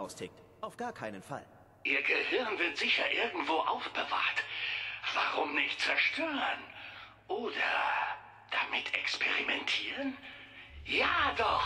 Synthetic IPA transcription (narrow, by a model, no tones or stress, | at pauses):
aʊstʰɪk̚t | ʔaʊfɡ̥aːɐkʰaɪnənfa̰l | ʔiːɐɡəhɪɐnvɪɐtz̥ɪçɐʔɪɐɡŋ̩tv̥oːʔaʊfb̥əva̰ɐtv̥aʁʊmnɪçt̚t͡sɛɐʃtʰøːʁən | ʔoːdɐ | d̥amɪtʰɛ̰kspʰɛʁimɛntʰiːʁən | jaːdɔx